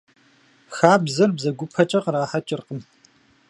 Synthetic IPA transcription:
xaːbzɐrbzɐɡʷʊpʰɐt͡ʃʼɐqɾaːħɐt͡ʃʼɪrqəm

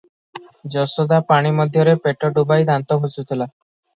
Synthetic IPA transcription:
d͡ʒɔsɔd̪apaɽ̃imɔd̪ʱjɔɾepeʈɔɖubajd̪ant̪ɔkʰusut̪ʰila

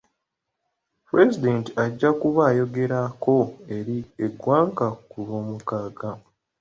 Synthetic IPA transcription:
puɾe̞zide̞ːntiaɟːakuβaːjo̞ɡe̞ɾako̞e̞ɾieɡwaːŋkakuβoːmukaːɡa

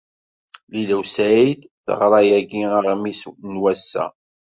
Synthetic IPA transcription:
lilæwsæid̪θə̰ʁɾˤɑjæɡiəʁmisnwæsːæ̰

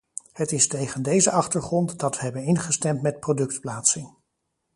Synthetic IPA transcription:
hətɪstejχəndejzəʔɑχtəɹχrɔntdɑtʋəɦɛbənɪnχəstɛmtmɛt̚prodɵk̚tplaːtsɪŋ

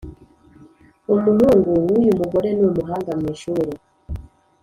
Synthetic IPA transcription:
umuluŋɡuwujumuɡɔɾɛnomuɦaŋɡamwɛʃuɾɛ

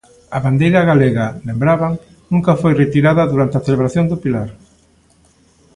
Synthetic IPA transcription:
ɐβand̪ejɾɐɣaleɣɐlembɾaβaŋ | nũŋkɐfojret̪iɾaðɐðuɾant̪eaθeleβɾaθjoŋd̪ʊpilaɾ

